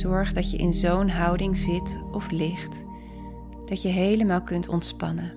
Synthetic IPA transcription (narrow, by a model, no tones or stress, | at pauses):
ɔɹχdɑtjəʔɪnzownɦʌwdɪŋzɪtɔflɪχt | d̥ɑtjəɦejləmaːlˠkɵntʰɔ̰ntspɑ̰nə